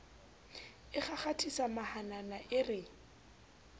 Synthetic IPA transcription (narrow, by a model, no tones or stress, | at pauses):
ɪχaχatʰisamahananaʔɪrɪ